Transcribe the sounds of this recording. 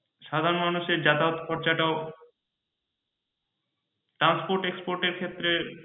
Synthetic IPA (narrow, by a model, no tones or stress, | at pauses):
ʃad̪ʱaɾonmanuʃeɾd͡ʑat̪aot̪pɔɾt͡ɕaʈao | ʈɾanspoɾʈekspoɾʈeɾkʰet̪ːɾe